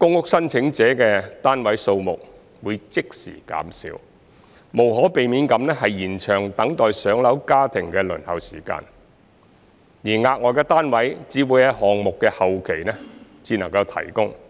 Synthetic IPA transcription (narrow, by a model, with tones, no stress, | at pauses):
kʊ˥ŋʊ˥k̚sɐ˥nt͡sʰɪ˨˥ŋt͡sɛː˨˥kɛː˧t̪aː˥nwɐ˨˥jso˧wmʊ̰˨k̚ | wuː˨˧jt͡sɪ˥k̚sḭː˨˩ka̰ː˨˥msḭː˨˧˥w | mo˨˩wɦɔː˨˥pe˨jmiː˨˥nkɐ˨˧mnɛː˥ɦɐ˨jjiː˨˩nt͡ʃʰœː˨˩ŋt̪ɐ˨˥ŋt̪ɔː˨jsœː˨˥ŋlɐ˨˥wkaː˥t̪ʰɪ˨˩ŋkɛː˧lɵ̰˨˩nhɐ˨wsiː˨˩ka̰ː˧n | jiː˨˩ŋaː˧k̚ŋɔː˨˧kɛː˧t̪aː˥nwɐ˨˥jt͡siː˨˥wuː˨˧jhɐ˨˧hɔː˨ŋmʊ˨kːɛː˧hɐ˨wkʰe˨˩jnɛ˥t͡siː˧nɐ̰˨˩ŋkɐ˧wt̪ʰɐ̰˨˩jkʊ˥ŋ